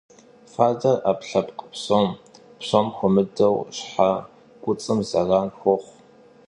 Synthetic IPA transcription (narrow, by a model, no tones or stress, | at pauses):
faːdɐrapɬɐpqʼə̥psom | psomxʷʊmɨdɐwɕħa | kʷʼʊt͡sʼɨmzɐraːnxʷɔχʷ